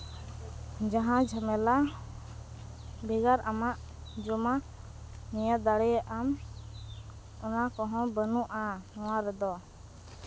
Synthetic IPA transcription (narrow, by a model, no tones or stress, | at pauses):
d͡ʒaɦãd͡ʒʱəmɛla | bɛɡaɾamaʔ | d͡ʒɔma | nijad̪aɽɛjaʔam | ɔnakɔɦɔ̃bənũʔanɔ̃waɾɛd̪ɔ